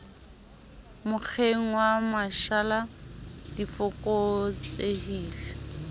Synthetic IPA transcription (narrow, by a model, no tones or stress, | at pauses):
mʊk͡xʰeŋ̩wamaʃaladifʊkʼot͡sʼehiːle